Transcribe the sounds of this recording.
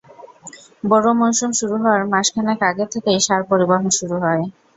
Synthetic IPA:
bɔɾomonʃumʃuɾuɦɔwaɾmaʃkʰanakaɡet̪ʰekejʃaɾpoɾibaɦonʃuɾuɦɔe

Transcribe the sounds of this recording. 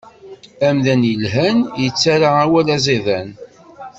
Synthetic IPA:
æmðænjəlɦænjət͡sːaɾaawælæziðæn

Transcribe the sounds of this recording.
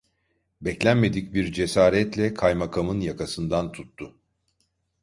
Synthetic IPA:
bɛclʲænme̞d̪ic̚biɾd͡ʒe̞saːɾɛt̪lʲɛkʰajmakʰamɯnjakʰasɯnd̪ant̪ʰut̪ːʊ

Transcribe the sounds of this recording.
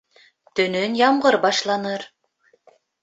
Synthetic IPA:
t̪ɵ̆nɵnjɑmʁɤɾbɑʃlˠɑnɤɾ

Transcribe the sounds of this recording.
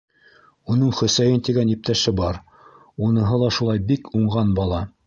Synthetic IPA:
unɤɴχɵ̆sæjɘnt̪iɡænjip̚t̪æʃɘbɑɾ | unɤ̆ɦɤlˠɑʃulˠɑjbikuɴʁɑnbɑlˠɑ

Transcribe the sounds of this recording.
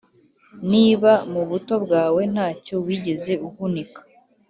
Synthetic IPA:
niːβamuβuto̞bɡaːwe̞n̥haːco̞wiːɟe̞ze̞uhunikḁ

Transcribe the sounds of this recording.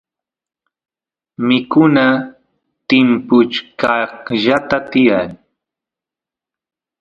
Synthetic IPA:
mɪkʊna | t̪ɪmpʊt͡ʃkɑhʒat̪at̪ɪjaŋ

